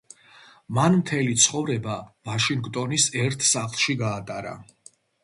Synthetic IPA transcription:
manmt̪ʰɛlit̪sʰχɔvɾɛbavaʃiŋɡt̪ʼɔnisɛɾt̪ʰsaχlˠʃiɡaːt̪ʼaɾa̰

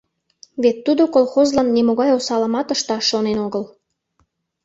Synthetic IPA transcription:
βet̪ːud̪okolxozlɑnːemoɣɑjosɑləmɑt̪əʃt̪ɑʃːonenoɣəl

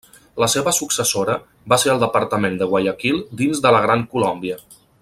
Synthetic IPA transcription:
ləseβəsuksəsoɾə | baseɾəlˠd̪əpəɾt̪əmend̪əɣwaʎəkilˠd̪inzðələɣɾaŋkulɔmbiə

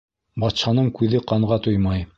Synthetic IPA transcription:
bɑt̪ʃɑnɤɴkʉðɘqɑɴʁɑt̪ujmɑj

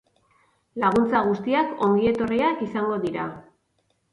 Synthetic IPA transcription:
laɣ̞unt͡saɣ̞ust̪iako̞ŋɡie̞t̪o̞riakisaŋɡo̞ðiɾa

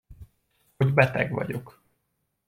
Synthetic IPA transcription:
hoɟbɛt̪ɛɡʋɒ̰ɟo̞k

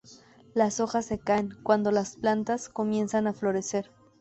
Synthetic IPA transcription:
laso̞xasːe̞kaeŋkwand̪o̞lasplant̪asko̞mje̞nsanaflo̞ɾe̞se̞ɾ

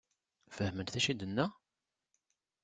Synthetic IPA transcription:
fəhmənt̪θæʃid̪ənːæ

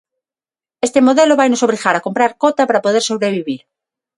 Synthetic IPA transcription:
est̪emoðeloβajnosoβliɣaɾakompɾaɾkot̪apaɾapoð̞eɾso̞βɾeβiβiɾ

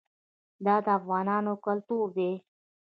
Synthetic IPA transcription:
d̪ɑd̪əafɣɑːnɑːnokəlt̪uɾd̪e

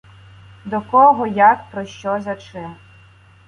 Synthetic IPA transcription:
d̪ɔkɔɦɔjakpɾɔʃt͡ʃɔzɐt͡ʃɪm

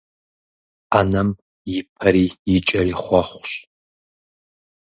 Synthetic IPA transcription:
anɐm | jipʰɐɾiit͡ʃʼɐɾiχʷɑχʷɕ

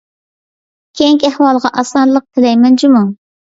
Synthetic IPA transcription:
kʲʰeŋkʲæhwɑlˠʁɑʔɑsɑnlˠəq̚t̪ʰɪlɛjmɛnt͡ʃimu

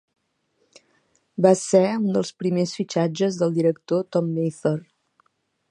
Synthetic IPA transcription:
basɛund̪əlˠspɾimesfit͡ʃad͡ʒəzðəlˠd̪iɾəkt̪ot̪ɔmːejθɔɾ

